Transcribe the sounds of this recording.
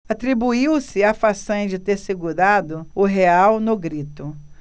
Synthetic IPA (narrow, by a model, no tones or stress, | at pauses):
at̪ɾibuiwsɪafasɐ̃d͡ʒɪt̪eɾseɡuɾad̪ʊʊɦeawnoɡɾit̪ʊ